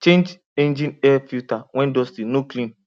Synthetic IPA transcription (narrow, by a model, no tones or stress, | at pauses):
t͡ʃẽnd͡ʒ | ẽnd͡ʒĩnɛfiutawʷɛ̃ndɔstinoklĩn